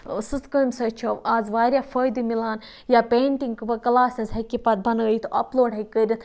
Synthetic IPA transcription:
sɨt̪kəmsɐt͡ʃʰɐʋaːzʋaːɾʲjaːfɐjd̪imilaːn | jaːpeːɳʈiŋkɨbɐkɐlaːsʲɐzɦɐkʲːipɐt̪̚bɐnɡɐit̪ʰʔɐ̰ploːɖɦɐkːəɾʲit̪

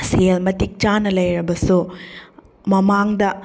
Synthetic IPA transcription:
selmɐtik̚t͡ʃanɐlɐjɾɐbɐsu | mɐmaŋdɐ

